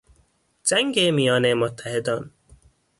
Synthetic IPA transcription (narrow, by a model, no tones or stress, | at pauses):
d͡ʒæŋɡeːmijɒːnemot̪ʰːæhed̪ɒːn